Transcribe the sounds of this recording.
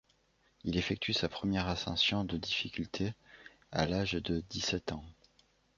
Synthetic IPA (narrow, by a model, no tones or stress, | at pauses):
ilefɛk̚t̪ʰysapχəmjɛʁasɑ̰̃sjɔ̃d̪əd̪ifikʲylt̪ʰe | a̰laʒd̪əd̪isɛt̪ɑ̃